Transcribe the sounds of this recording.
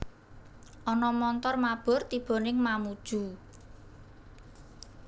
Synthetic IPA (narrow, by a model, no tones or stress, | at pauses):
ʔɔnɔmɔnt̪ɔrmab̥ɔ̤rt̪ib̥ɔ̤nɪŋmamud̥ʒ̥ṳ